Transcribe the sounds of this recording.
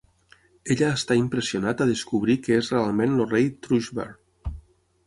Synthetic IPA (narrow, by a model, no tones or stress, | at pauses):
eʎəːst̪aimpɾəsionat̪əðəskuβ̞ɾikəezrealˠmẽnlorejt̪ɾuʒbḛɾ